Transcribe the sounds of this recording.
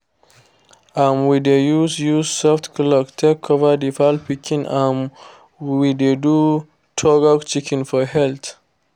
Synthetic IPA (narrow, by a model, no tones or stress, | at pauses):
ãmwidejuzjuzsɔftkʰlɔktʰekʰːɔvədifalpikʰĩnãn | widedu | tʰɔɡɔkt͡ʃikʰĩnfɔhɛlt̪